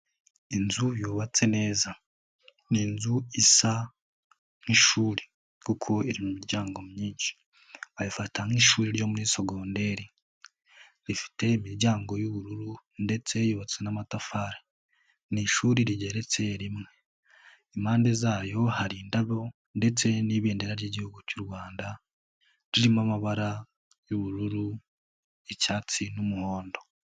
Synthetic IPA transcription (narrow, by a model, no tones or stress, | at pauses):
inzujuːβat͡se̞ne̞ːza | niːnzuisa | ŋ̥iʃuːɾi | kukʰo̞iɾimumiɾɟaːŋɡo̞mɲiːnʃi̥ | ajifatʰaŋiʃuːɾiɾjo̞muniːso̞ɡo̞ːnde̞ɾi | ɾifi̥te̞imiɾɟaːŋɡo̞juβuɾuɾunde̞t͡se̞joβat͡senamatafaɾḁ | niʃuːɾiɾiɟe̞ɾe̞t͡se̞ɾimŋe̞ | imaːnde̞zaːjo̞haɾiːndaβo̞ | nde̞t͡se̞niβeːndeɾaɾɟiɟihuɡucuɾwaːnda | ɾiɾimamaβaɾa | juβuɾuɾu | ecaːt͡sinumuho̞ːndo̞